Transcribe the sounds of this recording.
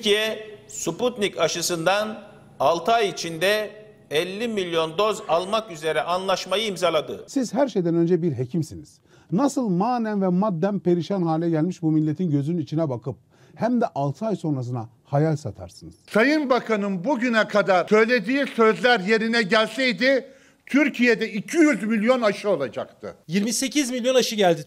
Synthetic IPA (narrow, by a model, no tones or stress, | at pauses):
cijɛsuput̪nicaʃɯsɯnd̪an | alˠt̪ʰɯajit͡ʃʰind̪ɛ | ɛlʲːimilʲjo̞nd̪o̞zalˠmakyze̞ɾɛʔanlˠaʃmajɯimzalˠad̪ɯsizɦæɾʃejd̪ænø̞nd͡ʒɛbiɾɦe̞cʰimsiniz̥ | nasɯlˠmaːnænvɛmad̪ːænpe̞ɾiʃænhaːlʲɛɟælʲmiʃbumilʲːe̞t̪ʰinɟø̞zynynit͡ʃʰinɛbakʰɯp̚ | hæmd̪ɛʔalˠt̪ʰɯajso̞nɾas̬ɯna | hajalʲsat̪ʰa̰ɾsɯnɯz̥sajɯnbakʰanɯnbuɟynɛkʰad̪aɾ̥sø̞jlʲe̞d̪iːsø̞zlʲæɾje̞ɾinɛɟælʲsɛjd̪i | t̪ʰyɾcʰijed̪ɛicʰijyzmilʲjo̞naʃɯo̞lˠad͡ʒa̰kt̪ʰɯ̰jiɾmise̞cʰizmilʲjo̞naʃɯɟælʲd̪i